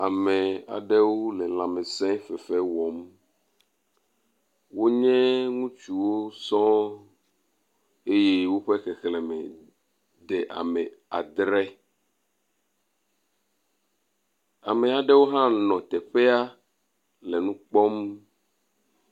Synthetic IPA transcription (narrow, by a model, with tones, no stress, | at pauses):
a˨mẽ˨a̰˨ɖɛ˦wo˦le˨l̃ã˨mẽ˨sɛ̃˦fɛ˨fɛ˦wɔ˨m | wo˦ɲɛ̃˦ŋũ˦t͡ʃu˨wo˦sɔ̃˦ | e˦je˦wo˦ɸe˦xɛ˨xlɛ˨mɛ̃˨ | ɖɛ˨ʔa̰˨mɛ˨a̰˨d̪ɾɛ˦ | a̰˨me˨a˨ɖɛ˦wo˦ɦã˦nɔ̃˨t̪ɛ˨ɸe˦a˦ | lɛ˨nũ˦k͡pɔ˦m